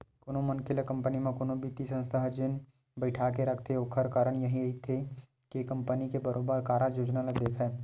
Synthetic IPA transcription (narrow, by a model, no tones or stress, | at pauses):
konõmɐnkʰɪlekɐ̃mpənimẽkonõbit̪isə̃nst̪ʰaɦd͡ʒɪn | bəɪʈʰakeɾɐkʰt̪ʰeokʰəɾkaːɾəɳjɐɦĩɦit̪ʰe | kekɐ̃mpənikebəɾʔoːbəɾkaːɾajoːd͡ʒnalad̪eːkʰaɛː